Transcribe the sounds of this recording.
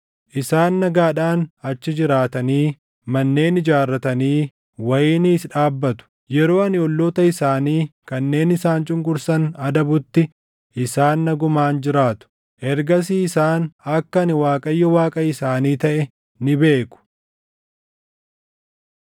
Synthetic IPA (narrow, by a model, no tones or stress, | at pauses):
ʔɪsaːnːɐɡaːᶑaːnɐt͡ʃːɪd͡ʒɪɾaːt̪ɐniː | mɐnːe̞ːnɪd͡ʒaːrːɐt̪ɐniː | wɐjɪːniːsᶑaːbːɐt̪ʊ̥ | jɛɾo̞ːɐnɪɔlːoːt̪ɐɪsaːniːkɐnːe̞ːnɪsaːnt͡ʃʼʊŋkʊɾsɐnɐd̪ɐbʊt̪ːɪ | ʔɪsaːnːɐɡʊmaːnd͡ʒɪɾaːt̪ʊ̥ | ʔɛɾɡɐs̬iːɪsaːnɐkːɐɐnɪwaːkʼɐjːɔwaːkʼɐɪsaːniːt̪ɐʔɛ | nɪbe̞ːkʊ̥